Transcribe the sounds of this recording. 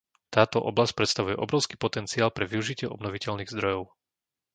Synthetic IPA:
t̪aːt̪ɔʔɔblasc̚pɾɛt̪st̪aʋujɛʔɔ̰bɾɔʊskiːpɔt̪ɛnt͡siaːlpɾɛʋiuʒicɪɛʔɔ̰bnɔʋicɛʎniːɣzd̪ɾɔjɔʊ

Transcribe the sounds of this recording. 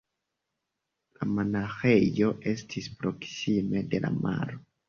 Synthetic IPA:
lamanaxe̞jo̞ʔe̞stʰispɾo̞ksime̞de̞la̰ma̰ɾo

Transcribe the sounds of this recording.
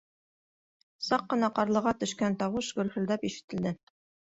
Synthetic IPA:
sɑqːɤ̆nɑqɑɾlˠɤ̆ʁɑt̪ɵ̆ʃkænt̪ɑwɤʃɡɵ̆lhɵ̆ld̪æpiʃɘ̥̆t̪ɘ̆ld̪ɘ

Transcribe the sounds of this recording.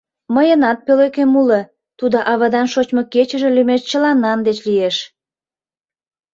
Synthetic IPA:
məjənɑt̪̚pølekemulə | t̪ud̪oʔɑβɑd̪ɑnʃot͡ɕmoket͡ɕə̆ʒĕlymeʃt͡ɕəlɑnːɑnd̪et͡ɕlieʃ

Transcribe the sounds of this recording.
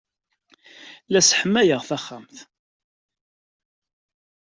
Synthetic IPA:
læsħəmːæjəʁθæχːamθ

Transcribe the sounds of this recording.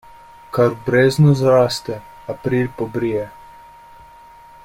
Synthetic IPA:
kaɾbɾeːznɔzɾaːst̪ɛ | apɾiːlpɔbɾijɛ

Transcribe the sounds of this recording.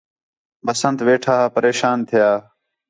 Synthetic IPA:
bəsənt̪ʋeːʈʰaːpəɾeːʃaːnt̪ʰɪjaː

